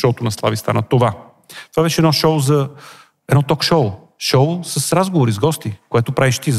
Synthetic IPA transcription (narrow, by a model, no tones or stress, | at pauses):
t̪ɔt̪onɐslˠavist̪a̰nət̪ova | t̪ovabɛʃɛd̪nɔʃoʊzɐ | ɛd̪nɔt̪ɔkʃoʊ | ʃoʊsəsɾazɡovoɾizɡɔst̪ikoɛt̪ʊpɾaviʃt̪iz